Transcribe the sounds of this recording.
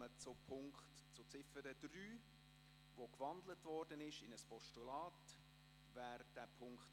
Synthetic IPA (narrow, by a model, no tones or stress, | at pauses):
ət͡sʊpʰʊŋkχt | t͡sʊt͡sɪfəɾəd̥ryː | vokvɑndlətvɔːɾdənɪʃɪnəspɔʃtulɑːt | væːɾd̥æpʰʊŋkχt